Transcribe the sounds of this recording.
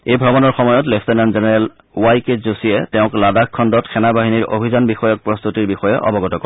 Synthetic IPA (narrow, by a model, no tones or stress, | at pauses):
ejbʱɹɔbɔnɔɹxɔmɔjɔtleftenanzenɛɹɛl | wajketzosijɛtɛʊ̃kladakʰːɔndɔtxʰɛnabaɦiniɹʔo̰bʱizanbixɔjɔk̚pɹɔst̪ʰutiɹbixɔjɛʔɔ̰bɔɡɔtɔkɔ